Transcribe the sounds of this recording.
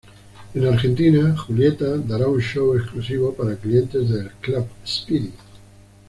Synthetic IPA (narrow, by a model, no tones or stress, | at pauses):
enaɾxent̪inaxuljet̪ad̪aɾaunʃowesklusiβ̞opaɾaklient̪ezðelklabspiɾit̪